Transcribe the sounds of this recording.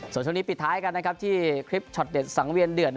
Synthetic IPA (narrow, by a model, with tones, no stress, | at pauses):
su˨˩˦nt͡ɕʰːni˦˥pi˨˩t̪̚ʰːaː˦˥jka˧nːa˦˥kʰp̚t̪ʰiː˥˩kʰɾi˦˥p̚t͡ɕʰɔ˨˩t̪̚de˨˩t̪̚sa˩˦ŋwi˧əndɯ˨˩ət̪̚